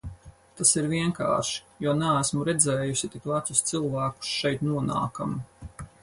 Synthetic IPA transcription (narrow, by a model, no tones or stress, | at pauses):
t̪asiɾviɛŋka̰ːɾʃi̥juɔnaæsmuɾɛd̪zɛːjusit̪ikvat̪sʊst̪sɨlˠvæːku̥sʃɛjt̪nuɔna̰ːkam